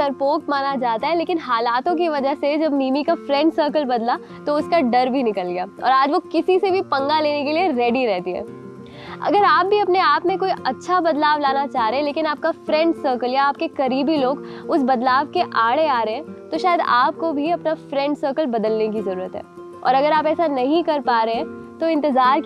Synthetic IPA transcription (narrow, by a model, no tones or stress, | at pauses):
sɐɾpoːkmaːnad͡ʒaːt̪aɦɛleːkɪnɦaːlaːt̪õk̬iʋɐd͡ʒəɦsed͡ʒɐbmiːmikafɾɛ̃ɳɖsəːɾkəlbɐd̪la | t̪oʊskaɖɐɾbʱinɪkəlɡɪjaːɔ̰ːɾaːd͡ʒʋokɪsisebʱipɐ̃ŋɡaleːnekelieɾɛːɖiɾɛɦt̪iɦɛ̰ː | ɐ̰ɡəɾaːp̚bʱiɐpneaːpmẽkoːiʔɐtːʃʰabɐd̪laːʋlaːnat͡ʃaːɦɾeɛ̃leːkɪnaːp̚kafɾɛ̃ɳɖsəːɾkəljaːp̚kekɐɾiːbiloːɡʊsbɐd̪laːʋkeʔaːɽeaːɾeɦɛ̃t̪oʃaːjəd̪aːp̚kobʱiɐpnafɾɛ̃ɳɖsəːɾkəlbɐd̪əlnek̬izɐɾuːɾət̪ɦɛ̰ː | ɔ̰ːɾɐɡəɾaːpɛːsanɐɦĩkɐɾpaːɾeɦɛ̃t̪oɪ̃nt̪ɪzaːɾ